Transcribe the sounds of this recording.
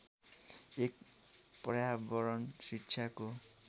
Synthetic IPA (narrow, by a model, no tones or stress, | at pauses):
ek̚ | prʌjabʌɾʌnsikːsʰako